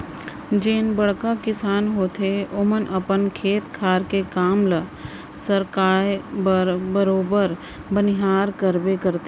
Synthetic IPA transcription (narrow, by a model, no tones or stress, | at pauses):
d͡ʒeːnbəɽkakɪsaːnɦoːt̪ʰeomənʔəpənkʰeːt̪kʰaːɾkekaːmlə | səɾkaː | bəɾoːbəɾ | bənɪɦaːɾkəɾbekəɾt̪